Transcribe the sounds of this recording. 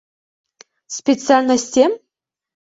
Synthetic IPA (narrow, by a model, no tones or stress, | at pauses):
spʲesɨalʲnəsʲtʲem